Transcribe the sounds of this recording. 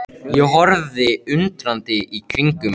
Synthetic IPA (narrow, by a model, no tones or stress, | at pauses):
jɛɦɔɾðɪʏnt̪ɾant̪ɪʔikʰɾiŋkʏ